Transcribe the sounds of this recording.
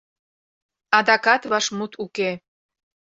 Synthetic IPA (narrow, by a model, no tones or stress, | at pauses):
ɑd̪ɑkɑt̪βɑʃmut̪ʰuke